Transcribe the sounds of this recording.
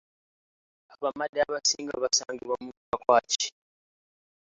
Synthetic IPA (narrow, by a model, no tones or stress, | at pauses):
aβamadaβasiŋɡa̰βasaŋɡiβamuukakwaːt͡ʃi̥